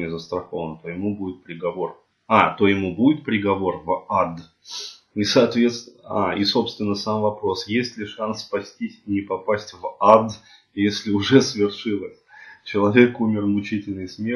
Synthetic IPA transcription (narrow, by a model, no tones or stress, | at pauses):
ɪzəst̪ɾɐxo̞vənət̪ojɪmubudʲɪt̪̚pɾʲɪɡɐvo̞r | at̪o̞jɪmubudʲɪt̪̚pɾʲɪɡɐvo̞rvad̪ | isɐːt̪vʲe̞t̪st̪aiso̞pst̪vʲɪnːəsamvɐpɾo̞sjesʲtʲlʲɪʂanspɐsʲtʲisʲinʲɪpɐpasʲtʲvad̪ | jesʲlʲɪʊʐɛsvʲɪrʂɨlˠəsʲt͡ɕɪlˠɐvʲe̞kumʲɪrmʊt͡ɕitʲɪlʲnɨjsmʲe